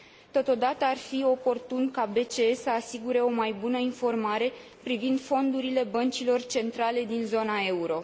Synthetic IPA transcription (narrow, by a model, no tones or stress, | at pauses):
t̪o̞t̪o̞d̪at̪əarfio̞po̞rt̪unkabe̞t͡ʃeesəasiɡuɾe̞o̞majbunəinfo̞rmaɾe̞ | pɾivind̪fo̞nd̪uɾile̞bənt͡ʃilo̞rt͡ʃe̞nt̪ɾale̞d̪inzo̞nae̞uɾo̞